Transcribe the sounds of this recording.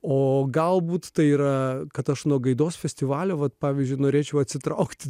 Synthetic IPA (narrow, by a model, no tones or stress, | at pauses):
oːɡɐlˠbuːt̪t̪ɐɪiːɾɐkɐt̪ɐʃnuɔɡɐɪd̪oːsfʲɛsʲt̪ʲɪʋɑːlʲoːʋɐt̪pɑːʋʲizʲd͡ʒʲʊɪnoːɾʲeːt͡ʃʲɛʊɐt̪ʲsʲɪt̪ɾɐʊkt̪ʲ